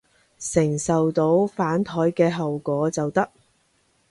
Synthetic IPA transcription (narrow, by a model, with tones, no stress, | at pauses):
sɪ˨˩ŋsɐ˨wt̪o˨˥wfaː˨˥nt̪ʰɔː˨˥jkɛː˧ɦɐ˨wkʷɔː˨˥t͡sɐ˨wt̪ɐ˥k̚